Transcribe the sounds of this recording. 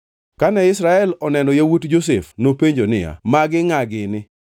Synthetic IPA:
kanɛɪsɾaɛlɔnɛnɔjawutd͡ʒos̬efnopeɲd͡ʒonɪja̰maɡɪŋaɡɪnɪ

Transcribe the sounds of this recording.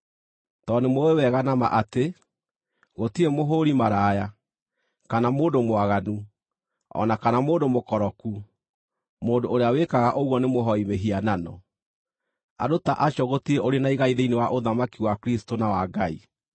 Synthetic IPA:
tɔnemowewɛɣanama̰ʔate | ɣotiɾemoɦoɾimaɾaːja | kanamoːndomwaɣanu | ɔ̰nakanamoːndomokɔɾɔku | moːndoːɾeawekaɣaʔoɣwɔnemoɦɔimeɦiananɔ̰ | a̰dotaʔaʃjɔɣotiɾeʔoɾenaiɣaiðeinewaʔoðamakiwakɾistonawaɡai

